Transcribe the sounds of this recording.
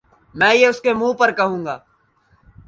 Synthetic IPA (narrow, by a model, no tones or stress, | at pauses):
mɛ̃ːjeʊskemũːpɐɾkɐɦũːɡaː